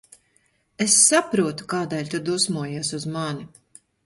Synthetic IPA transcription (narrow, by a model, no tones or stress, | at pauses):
esːapɾuɔt̪u̥kaːd̪ɛːlʲt̪ud̪usmuɔjiɛsuzmani